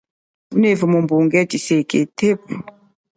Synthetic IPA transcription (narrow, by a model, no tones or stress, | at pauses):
vunevəmombuŋɡɛtiseketep